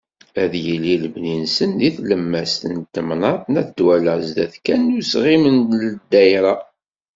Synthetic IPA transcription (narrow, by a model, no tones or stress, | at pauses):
æðjəliləbninsənðiθləmːæst̪ənt̪ːəmnɑt̪ˤnæθd̪wæləʕzd̪æθkænːʊsʁimənləd̪ːæjɾɑ